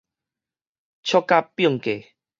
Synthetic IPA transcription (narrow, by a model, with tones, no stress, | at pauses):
t͡ɕʰjɔ˦kːa˦pːjɔ˥˨ŋke˨˩